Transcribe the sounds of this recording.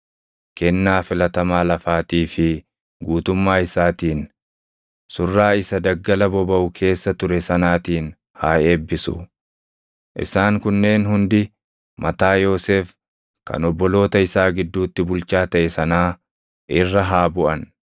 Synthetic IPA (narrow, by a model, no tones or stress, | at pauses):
kɛnːaːfɪlɐt̪ɐmaːlɐfaːt̪iːfɪ | ɡuːt̪ʊmːaːɪsaːt̪iːn | sʊrːaːɪsɐd̪ɐɡːɐlɐbɔbɐʔʊkʰe̞ːsːɐt̪ʊɾɛsɐnaːt̪iːn | haːʔe̞ːbːɪsʊ̰ | ʔɪ̰saːŋkʊnːe̞ːnɦʊnd̪ɪ | mʔɐt̪aːjo̞ːse̞ːf | kɐ̰nɔbːɔlo̞ːt̪ɐɪsaːɡɪd̪ːuːt̪ːɪbʊlt͡ʃaːt̪ɐʔɛsɐnaː | ʔɪrːɐɦaːbʊʔɐn